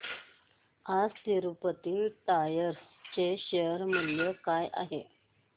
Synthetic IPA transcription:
ad͡zt̪iɾupət̪iːʈajəɾ | t͡ɕeɕeəɾm̤əljəkaja̰ɦe

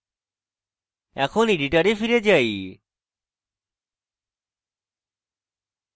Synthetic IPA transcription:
ɛkʰoniɖiʈaɾefʰiɾed͡ʒaj

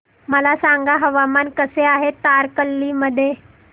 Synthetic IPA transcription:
məlasaŋɡaɦəʋamankəseaɦet̪aɾkəlːiːməd̪ʱːje

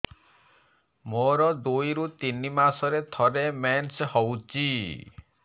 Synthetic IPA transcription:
moɾɔd̪ojɾut̪inimasɔɾet̪ʰɔɾemenshɔwt͡ʃi

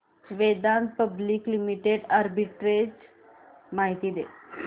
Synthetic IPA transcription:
sʋed̪anpəbliːklimiʈeɖaɾbiʈɾed͡ʑ | maɦit̪iːd̪e

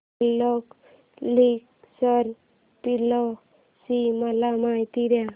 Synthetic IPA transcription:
lɔk | lik | sɔɾ | pilɔ | simalamajt̪iɾja

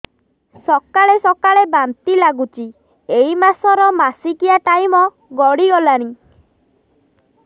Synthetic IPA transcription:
sɔkaɭesɔkaɭebant̪ilaɡut͡ʃi | eimasɔɾɔmasikiaʈajmɔ | ɡɔɽiɔlañi

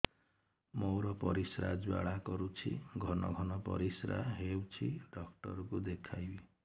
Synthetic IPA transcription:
moɾɔpɔɾisɾa̰d͡ʒba̰ɭakɔɾut͡ʃʰḭɡʱɔnɔɡʱɔnɔpɔ̰ɾisɾa̰ɦewt͡ʃʰiɖɔk̚ʈɔɾɔkud̪ekʰajbi

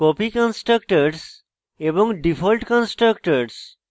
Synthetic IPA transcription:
kopikɔ̃nsʈɾək̚ʈəɾs | ebɔ̃ŋɡɖifʰɔlʈkɔ̃nsʈɾəkʈəɾs

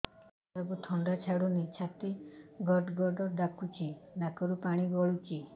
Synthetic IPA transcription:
ɾɔbut̪ʰɔɳɖat͡ʃʰaɽunit͡ʃʰat̪iɡɔɾɖɡɔɾɖɔɾd̪akut͡ʃʰinakɔɾupaɽ̃iɡɔɭut͡ʃi

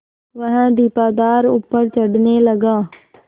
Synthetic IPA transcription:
ʋɐɦə̃d̪iːpaːd̪aːɾʊpːəɾt͡ɕɐɖnelɐɡãː

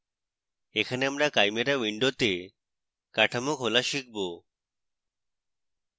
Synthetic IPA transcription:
ekʰaneamɾakajmeɾawiɳɖot̪e | kaʈʰamokɦolaʃik̚ʰbo

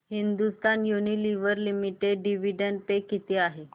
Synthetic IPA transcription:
hind̪ust̪anjuniliʋəɾlimiʈeɖɖiʋiɖəɳɖ̚pekːit̪iaɦe

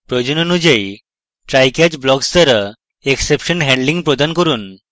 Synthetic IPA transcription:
pɾɔd͡ʑunɔnud͡ʑej | ʈɾajkjad͡ʑblɔɡst̪əɾə | eksepʃənɦɛ̃ɳɖliŋɡpɾɔd̪ankɔɾuːn

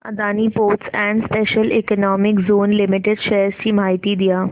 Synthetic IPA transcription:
ɐ̰d̪aːnipoːʈsɛ̃ːɳɖspeːʃəlɪkənɔːmɪkzoːnlɪmɪʈɪɖʃɛəɾskimaːɪt̪id̪ijaː

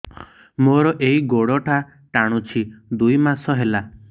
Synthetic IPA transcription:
moɾɔʔeɦiɡoɽɔʈʰa | ʈaɽ̃ut͡ʃʰid̪ujmasɔɦela

